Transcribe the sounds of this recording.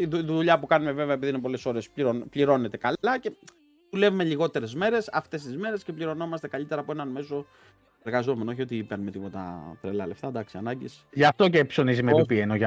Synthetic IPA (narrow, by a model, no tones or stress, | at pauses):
iðuðuʎɐpukɐnume̞ve̞veɐepiðiunep̬o̞le̞so̞ɾe̞spliɾonpliɾo̞ne̞t̪e̞kɐlɐce̞ | ðule̞vume̞liɣo̞t̪e̞ɾe̞zme̞ɾe̞sɐft̪e̞s̬t̪izme̞ɾe̞sce̞pliɾo̞no̞mɐst̪e̞kɐʎit̪e̞ɾɐːpoe̞nɐnme̞so̞ | e̞ɾɣɐzo̞me̞nooçio̞t̪iipenmet̪ipo̞t̪ɐ̰t̪ɾelɐle̞ft̪ɐd̪ɐksiɐnɐɟisʝɐft̪o̞cepso̞nizimeipienoʝɐ